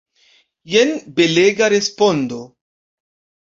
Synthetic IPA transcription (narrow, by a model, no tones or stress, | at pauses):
jenbeleɡaɾespondo